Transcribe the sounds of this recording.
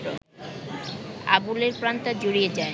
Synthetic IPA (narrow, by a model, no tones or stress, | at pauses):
o | a̰buleɾpɾant̪ad͡ʑoɾijed͡ʑae